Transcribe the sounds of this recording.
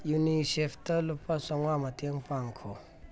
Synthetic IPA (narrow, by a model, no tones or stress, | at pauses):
juniɕeft̪əlopːasoŋwamət̪jaŋpaŋkʰo